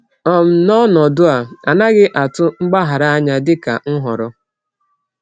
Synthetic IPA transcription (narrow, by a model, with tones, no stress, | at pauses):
ɔ˨m̩˨nɔ˦nɔ˨dʊ˦a˨a˨na˦ɡɪ˦ʔa˨tʊ˦ŋ͡m̩˦ɡ͡ba˦ɦa˨ɾa˦a˦ɲa˦dɪ˦ka̰˨ŋ̩˦ɦɔ˨ɾɔ˦